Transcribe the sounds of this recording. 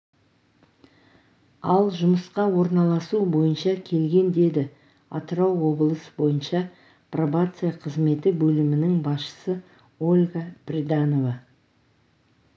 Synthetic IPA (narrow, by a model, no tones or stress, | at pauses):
ɑlˠʒʊməsqɑwo̞ɾnɑlˠɑsubo̞jənʃɑkʲʰe̞lɡʲe̞nd̪e̞d̪ɪ | ɑ̰t̪əɾɑwːo̞blˠəsəbo̞jənʃɑ | provat̪sɨjaqʰəzme̞t̪ɪbɵlɪmɪnɪŋbɑsʃə̥sə | o̞lʲɡaprʲid̪ano̞va